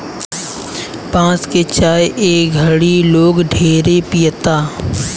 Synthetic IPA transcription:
pãːsket͡ʃaːjʔeːk̚ɡʱəɽiloːɡɖʱeːɾepijət̪aː

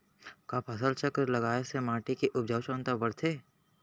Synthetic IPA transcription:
kaːpʰɐsəlt͡ʃəkɾlɐɡaːesemaːʈikiʔʊb̚d͡ʒʱaːwʃõːnt̪abəɽt̪ʰeː

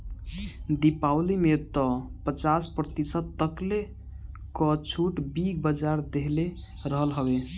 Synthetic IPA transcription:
d̪ipawlimet̪ɔpət͡ʃaspɾət̪isət̪t̪əkle | kət͡ʃʰuʈbikbəd͡ʒaɾd̪eɦle | ɾəɦəlɦəbe

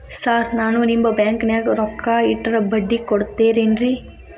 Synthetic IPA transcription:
saːɾnaːnunimbɐbjaːŋknjaɡɾɔkʰːaːiʈːɐɾɐbɐɖːikɔɽt̪ːeːɾeːnɾi

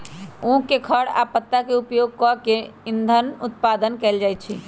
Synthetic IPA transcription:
ũkekʰəɽa̰pət̪ːakeupjoɡ̚kɔkeind̪ʱənut̪pad̪ənkɛld͡ʒajt̪̚t͡ʃʰi

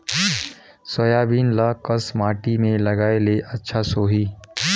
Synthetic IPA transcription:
sɐjaːbiːnlakɐsmaːʈimẽlɐɡaːeleʔɐtːʃʰasoːɦiː

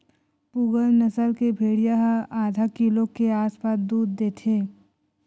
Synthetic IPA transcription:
puːɡəlnɐsəlkebʱeːɽijaɦaːd̪ʱakilõkeaːspaːsd̪uːd̪ːeːt̪ʰeː

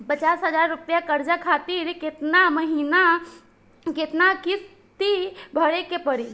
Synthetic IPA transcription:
pət͡ʃaːsɦəzaːɾːʊpjakəɾd͡ʒakʰaːt̪iɾkɪt̪naməɦiːna | kɪt̪nakɪs | t̪ibʱəɽekepəɽi

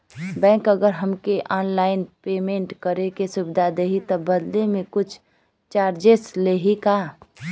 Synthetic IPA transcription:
bɛ̃ːŋkəɡəɾɦəmkeʔɔːnlaːɪnpeːmẽɳʈkəɾekesʊbɪd̪ʱad̪eːɦit̪ɔbəd̪lemẽkʊt͡ʃʰ | t͡ʃaːɾd͡ʒesleːɦikaː

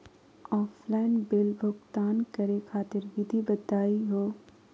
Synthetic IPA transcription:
ɔːflaːɪnbɪlbʱʊɡt̪aːnkɐɾekʰaːt̪ɪɾʋɪd̪ʱibɐd̪aːiɦoː

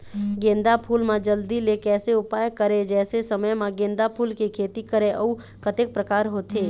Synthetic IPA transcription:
ɡẽːnd̪apʰuːlmãd͡ʒəld̪ilekɛːseʊpaːjkəɾed͡ʒɛːsesəməjmãɡẽːnd̪apʰuːlkikʰeːt̪ikəɾeʔɐu | kət̪ek̚pɾəkaːɾɦoːt̪ʰeː

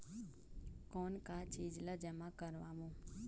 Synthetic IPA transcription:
koːnkaːt͡ʃiːd͡ʒləd͡ʒəmãːkəɾʋaːmũː

